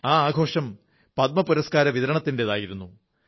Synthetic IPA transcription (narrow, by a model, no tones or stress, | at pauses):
aːaːɡʱo̞ːʂɐm | pɐt̪̚mɐpuɾɐskaːɾɐʋiðɐɾɐɳɐt̪ːindeðaːjiɾunːu